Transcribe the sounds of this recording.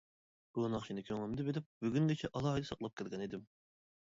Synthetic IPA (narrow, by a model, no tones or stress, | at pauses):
b̥unɑχʃinɨkʲʰøŋlɪmd̪ɪbelɪp̚byɡʲyŋɡʲet͡ʃʰɛʔɑlˠɑjd̪ɨsɑqlˠɑp̚kʲʰælɡʲɛnid̪ɪm